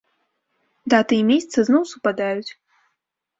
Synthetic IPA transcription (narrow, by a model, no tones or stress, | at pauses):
d̪at̪ɨjɛmʲesʲt̪sɨznɔwsupad̪ajut͡sʲ